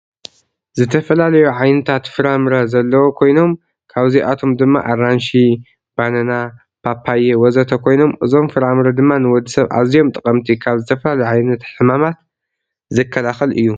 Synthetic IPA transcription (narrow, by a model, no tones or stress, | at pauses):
zɨt̪ʰɐfɐlalɐjuʕajnɨt̪ʰat̪fɨɾamɾɐzɐlːɐwokʰo̞jno̞m | kʰaβziʔat̪ʰo̞md̪ɨmːa̰ʔaranʃi | b̥anɐna | pʰapʰːajewɔzɐt̪ʰɐkʰo̞jno̞mʔɨzo̞mfɨɾamɾɐd̪ɨmːanɨwɔd̪ːisɐβʔa̰zijo̞mt̪ʼɨkʼɐmt̪ʰikʰaβzɨt̪ʰɐfɐlalɐjuʕajnɐt̪ħɨmamat̪̚ | zɨkʰːɐlaxɐlʔɨ̰jːu